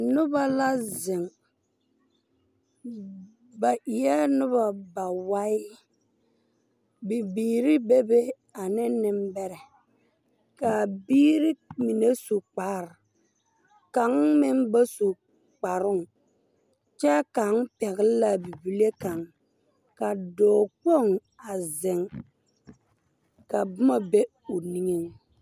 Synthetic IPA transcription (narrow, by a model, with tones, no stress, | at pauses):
nʊ˦ba˦la˦zɪ˨ŋ | ba˨ʔi˨jɛ˦nʊ˦βa˨ba˨wa˦ɪ˦ | bi˨biː˨ɾɪ˦be˦be˦ | a˨nɪ˦nɪ˦mbɛ˦ɾɛ˨ | ka˨biː˦ɾi˦mi˨ne˦so˨k͡pa˨ɾɪ˨ | ka˨˦ŋmɪ˦m˦ba˦su˨ | k͡pa˨ɾʊ˦˨ŋ | t͡ʃɛ˦ka˨˦ŋpɛ˨ɣɪ˦lla˨bi˨bi˨le˦ka˨ŋ | ka˨dɔː˨k͡po˦˨ŋ | a˨zɪ˨ŋ | ka˨bʊ˦ma˨be˦ | ʊ˨ni˦ŋe˦ŋ